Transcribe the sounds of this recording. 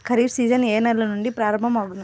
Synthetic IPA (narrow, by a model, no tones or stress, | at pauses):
kʰɐɾiːʈsiːd͡ʒɐneːnɐɾlɐnuɳɖipɾaːɾɐmbʱɐmɐːɡund̪i